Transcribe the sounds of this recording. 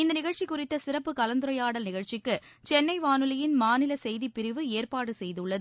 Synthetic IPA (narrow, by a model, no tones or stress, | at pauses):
ɪnd̪ɐnɪɣɐɻt͡ʃikːʊrɪt̪ːɐsɪɾɐpːɯkɐlɐnd̪ɯɾɐjaːɽɐlnɪɣɐɻt͡ʃɪkːɯ | t͡ʃɛnːɐɪʋaːnɯlɐjɪnmaːnɪlɐsɛjðipɪɾɪʋɯeːrpaːɽɯsɛjðɯɭːɐðɯ